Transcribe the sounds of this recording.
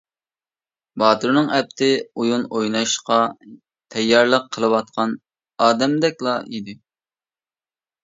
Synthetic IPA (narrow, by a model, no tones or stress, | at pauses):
bɑːt̪ɨɾnɨŋɛp̚t̪ʰɪujunojnɑʃqɑ | t̪ʰɛjːɑɾlˠəqʰːəlˠɨwɑt̪̚qʰɑn | ɑːd̪ɛmd̪ɛk̚ʲlˠɑid̪ɪ